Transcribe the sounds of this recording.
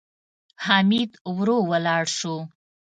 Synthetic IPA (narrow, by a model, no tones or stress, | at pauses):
hɑmid̪wɾowəlɑɽʃo